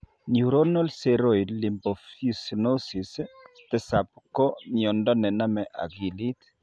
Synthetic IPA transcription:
ɲuɾonɔlseɾojdlimbɔfisnosis | t̪ɛsap̚kɔɲɔndɔnɛnamɛʔa̰ɡilit̪

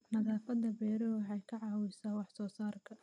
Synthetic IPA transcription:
nɐðaːfɐd̪ɐbɛːɾɔwħɑjkʰɐʕɑːwɪsaːwɑħsɔːsaːrkʰɐ

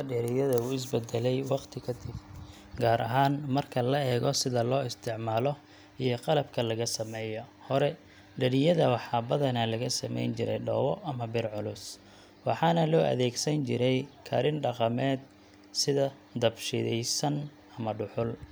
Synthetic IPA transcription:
ɖɛɾɪjɐðɐuɪs̬bɛd̪ɛlɛjwɑqt̪ʰɪkʰɐd̪ɪb | ɡaːɾʔɐ̰ɦaːnmɐrkʰɐlɐɛːɣɔsɪðɐlɔːɪst̪ʰɪʕmaːlɔ | ijɞqɑlɐb̚kʰɐlɐɣɐsɐmɛːjɔhɔɾɛ | ɖɐɾɪjɐðɐwɑħɑːbɐðɐnɐlɐɣɐsɐmɛ̰jnt͡ʃɪɾɛ̰jɖɔ̰ːwɔʔɐmɐbɪrʕʊlʊs | wɑħɑːnɐlɔːʔɐ̰ðɛːɡsɐnt͡ʃɪɾɛjkʰɐ̰ɾɪnɖɑqɑmɛːd̪̚ | sɪðɐ | d̪ɐbʃɪ̰ðɛ̰jsɐn | ɐmɐɖʊħʊl

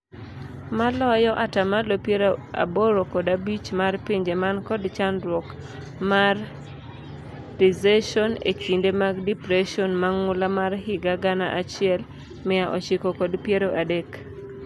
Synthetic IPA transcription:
malɔjɔʔatamalopjeɾoa̰boɾokɔdabit͡ʃmarpiɲd͡ʒemankɔdt͡ʃanwɔk | mar | tizeʃɔnḛkindemaɡdipɾeʃɔnmaŋʊlamarɦɪɡaɡanaʔat͡ʃɪɛl | mɪjaʔɔt͡ʃɪkɔkɔdpjeɾoʔadek

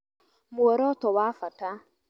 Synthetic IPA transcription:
muɛɾɔtɔwafata

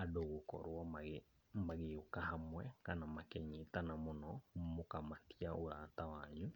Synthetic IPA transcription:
adoɣokɔ̰ɾwɔmaɣe | maɣeokahamwɛkanamakɛɲitanamonɔmokamatiaoɾatawaɲu

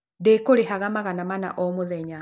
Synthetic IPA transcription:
dekoɾeɦaɣamaɣanamana̰ʔɔmoðɛɲa

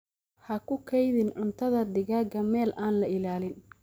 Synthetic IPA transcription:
hɐkʰʊkʰɛjðɪnʕʊnt̪ʰɐðɐd̪ɪɣaːɡɐmɛːlʔaːnlɐɪlaːlɪn

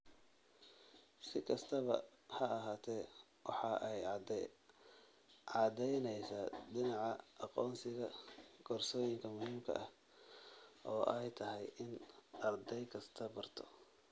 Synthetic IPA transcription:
sɪkʰɐst̪ʰɐβɐ̰ | hɐːɦaːt̪ʰɛ | wɑħɑʔɛj | ʕɑd̪ɛjnɛjsad̪ɪnɑʕɑɑqɔːnsɪɣɐɡ̥ɔːrsɔːjɪŋkʰɐmʊhiːmkʰɐ̰ʔɐh | ʔɔːʔɛjt̪ʰɐɦɛjʔɪnɐrd̪ɛjkʰɐst̪ʰɐbɐrt̪ʰɔ̰

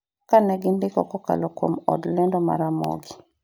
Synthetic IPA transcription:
kanɛɡɪndɪkɔkɔka̰lɔko̰mɔ̰dlendɔma̰ɾamɔ̰ɡɪ

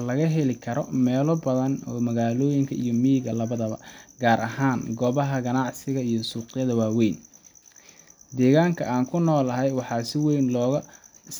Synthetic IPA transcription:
lɐɣɐɦɛlɪkʰɐɾɔmɛːlɔbɐðɐnɔːmɐɣaːlɔːjɪŋkʰɐʔijɔmiɣɐlɐβɐðɐβɐ̰ɡaːɾʔɐ̰ɦaːnɡɔβɐɦɐɡɐnɑʕsɪɣɐijɔsuːqɪjɐðɐwaːwɛjn | d̪ɛːɣaːŋkʰɐaːŋkʰʊnɔːlɐɦɛjwɑħɑːsɪwɛjnlɔːɣɐs

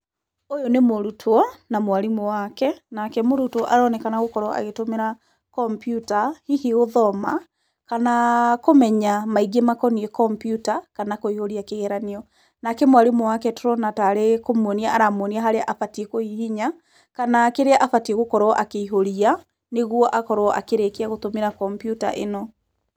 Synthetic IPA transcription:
ojonemoɾutʰwɔnamwaɾimowakɛnakɛmoɾutɔʔaɾɔnɛkanaɣokɔɾɔa̰ɣetomeɾa | kɔmpjutahihiɣoðɔma | kanakomɛɲamaiɡemakɔniɛkɔmpjutakanakoihoɾiakeɣɛɾaneɔ | nakɛmwaɾemoakɛtoɾɔnataɾekomwɔniaʔaɾamwɔniaɦaɾeaʔafatiekohihiɲa | kanakeɾeaʔafatieɣokɔɾɔʔakeiɦoɾia | neɣwɔʔakɔɾoɔʔa̰keɾekeaɣotomeɾakɔmpjuta̰ʔḛnɔ

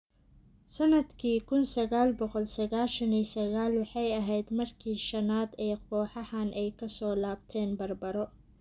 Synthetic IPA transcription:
sɐnɐd̪kʰiːkʰʊnsɐɣaːlbɔqɔlsɐɣaːʃɐniːsɐɣaːlwɑħɑjɐɦɛjd̪mɐrkʰiːʃɐnaːd̪ɛːjqɔːħɑhanʔɛjkʰɐsɔːlaːb̚t̪ʰɛːnbɐrbɐɾɔ

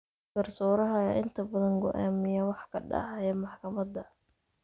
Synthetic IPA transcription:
ɡ̥ɐrsɔːɾɐɦɐɛʔɪnt̪ʰɐbɐðɐŋɡɔʔa̰ːmɪjɐwɑħkʰɐ̰ɖɑ̰ʕɑjɛmɑħkʰɐmɐd̪ɐ

